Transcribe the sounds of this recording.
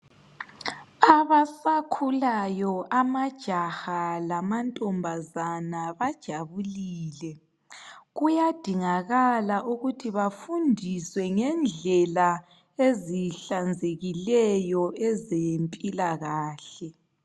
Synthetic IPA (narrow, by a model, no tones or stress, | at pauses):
aβasakʰulajɔʔamad̥ʒ̥ʱaxalamantʼɔmbʱazanaβad̥ʒ̥ʱaβuliːlɛ | ɣujad̥ʱiŋaɣalaʔuɣutʰiβafundʱiswɛŋɛnd͡ɮʱɛla | eziɬand͡zʱeɣilɛjɔʔɛzempʼilaɣaːɬɛ